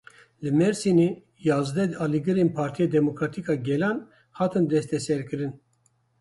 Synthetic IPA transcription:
lɨmɛɾsini | jaːzd̪ɛd̪ɑliɡɨɾenpʰaɾt̪ʰijed̪ɛmokɾat̪ʰikɑɡɛlan | haːt̪ʰɨnd̪ɛst̪ɛsɛɾkɨɾɨn

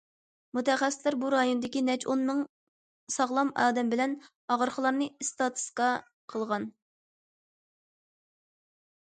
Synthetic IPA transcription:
mut̪ʰɛχɛsɪ̥t̪læɾbuɾɑjonɨd̪ɪkʲinɛt͡ʃʰonmɨŋ | sɑʁlˠɑmɑːd̪ɛmbɪlɛn | ɑʁəɾχəlˠɑɾnɨist̪ɑt̪ʰu̥skɑ | qʰəlˠʁɑn

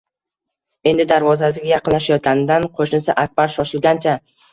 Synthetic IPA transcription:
e̞nd̪ɪd̪aɾvɒzasɪɡʲajɑqɨnlaʃajɒt̪̚kʲanɪd̪anqʰoʃnɪsaʔak̚ʲb̥aɾʃɒʃɪlɡʲant͡ʃʰa

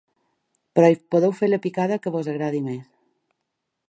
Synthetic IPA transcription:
pɾɔjpoðewfeɾləpikaðəkəβozəɣɾaðimes

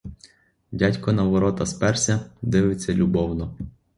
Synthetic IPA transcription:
dʲatʲkɔnɐʋɔɾɔt̪ɐspɛrsʲɐd̪ɪʋɪt͡sʲːɐlʲubɔwnɔ

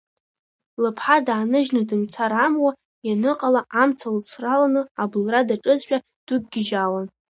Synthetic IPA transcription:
lɨpʰħadaːnɨʒnɨdɨmt͡sʰaɾamwa | janɨqʼalaʔamt͡sʰalt͡sʷʰralanɨablradaʈ͡ʂʼɨzħᶣʼa | d̥uɡ̚ʼɡʲɪd͡ʒawan

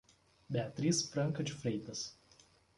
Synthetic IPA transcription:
bʲɛːt̪ʲɾʲiːsfɾɐŋkɐt͡ʃʲʊfɾʲɛɪt̪ɐs

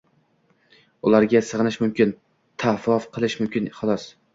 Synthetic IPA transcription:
ʊlˠaɾɡʲasɨʁɨnɪʃmʊmkʲɪn | t̪ʰafɒfqʰɨlˠɪʃmʊmkʲɪnχʊlˠɒs

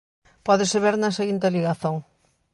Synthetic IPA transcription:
pɔðɪseβeɾnɐseɣint̪̬eliɣaθoŋ

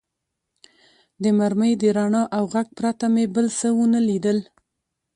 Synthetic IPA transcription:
d̪əmaɾməjd̪əɾaɳɑʔawɣaɡ̚pɾat̪amebəlsəwənəlid̪əl

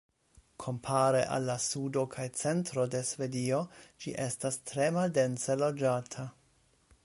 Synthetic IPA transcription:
kʰo̞mpʰaɾe̞ʔa̰lːasudo̞kʰajt͡se̞ntɾo̞de̞sve̞dio̞d͡ʒḭʔe̞stastɾe̞malde̞nse̞lod͡ʒatʰa

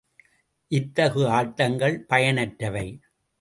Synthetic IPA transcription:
ʔɪt̪ːɐɣɯaːʈːɐŋɡɐɭpɐjɐnɐʈɾɐʋɐɪ

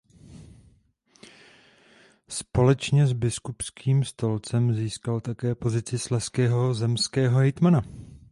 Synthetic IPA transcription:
spo̞lɛt͡ʃɲɛzbɪskupskʰiːmst̪o̞lt͡sɛmziːskalt̪akɛːpo̞zɪt͡sɪslɛskɛːɦo̞zɛmskɛːɦo̞ɦɛjt̪mana

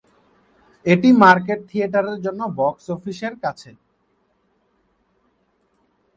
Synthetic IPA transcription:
eʈimaɾk̬eʈ̚t̪ʰieʈaɾeɾd͡ʑonːobɔksofiʃeɾkat͡ɕʰe

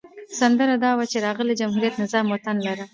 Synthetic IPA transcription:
sand̪əɾad̪ɑwat͡ʃeɾɑɣəled͡ʒamɦuɾijat̪nɪzɑmːot̪anlaɾa

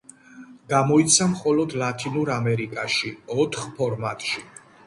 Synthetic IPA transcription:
ɡ̥amɔit̪sʰamχɔlɔd̪lat̪ʰinuɾamɛɾikʼaʃiɔt̪ʰχpʰɔɾmat̪ʼʃi

